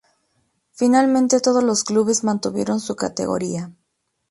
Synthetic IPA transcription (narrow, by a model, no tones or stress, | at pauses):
finalmẽnt̪e̞t̪o̞ð̞o̞zlo̞skluβe̞zmãnt̪uβje̞ɾo̞nsuka̰t̪e̞̰ɣo̞̰ɾia